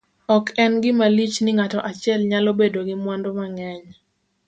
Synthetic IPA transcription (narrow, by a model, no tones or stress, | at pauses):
ɔkʰɛnɡɪmalit͡ʃnɪŋatɔʔat͡ʃɪɛlɲalobedoɡɪmwandomaŋɛɲ